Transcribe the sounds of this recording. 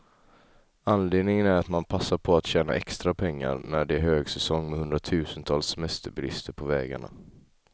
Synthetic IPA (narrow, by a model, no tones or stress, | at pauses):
anleːd̪nɪŋənæɾat̪manpʰasːaɾpʰɔat̪ɕɛːna̰ʔɛkst̪ɾapʰɛŋːa̰ɾnæɖɛæɾhøːɡsɛsɔŋːmɛhɵnd̪ɾat̪ʰʉ̟ːsənt̪ʰɑːlsːɛmɛst̪əɾbɪlɪ̰st̪əɾpʰɔvɛːɡa̰ɳa̰